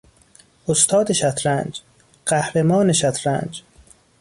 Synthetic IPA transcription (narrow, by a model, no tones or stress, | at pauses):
ʔost̪ʰɒːd̪eʃæt̪ʰɾænd͡ʒ | ɢ̥æhɾemɒːne̞ʃæt̪ʰɾæ̰ːnd͡ʒ